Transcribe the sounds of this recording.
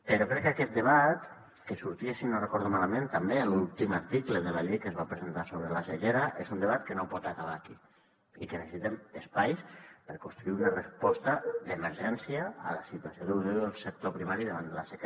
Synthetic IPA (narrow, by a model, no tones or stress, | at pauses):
pəɾokɾɛkːakɛt̪̚d̪əβat̪ | kəsuɾt̪iesinorəkɔɾðumaləmẽnt̪əmbeəlulˠt̪iməɾt̪ikləðəlaʎejkəzβapɾəzənt̪asoβ̞ɾəlaʃəʎeɾəʔezund̪əβat̪kənopɔt̪akaβ̞aːki | ikənəsəsit̪eməspajspəɾkunst̪ɾuiunərəspɔst̪əd̪əməɾʒɛnsiə̰ːləsit̪uasjoðewðeðəlˠsək̚t̪opɾimaɾiðəβand̪ələsək